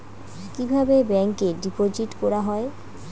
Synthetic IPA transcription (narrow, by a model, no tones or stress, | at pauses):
kibʱabebɛŋkeɖipod͡ʑiʈkoɾaɦɔe